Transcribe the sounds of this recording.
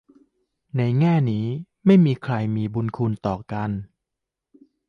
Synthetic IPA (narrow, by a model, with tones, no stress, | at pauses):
na˧jŋɛː˥˩niː˦˥ | ma˥˩jmiː˧kʰɾa˧jmiː˧bu˧nkʰu˧nt̪ɔː˨˩ka˧n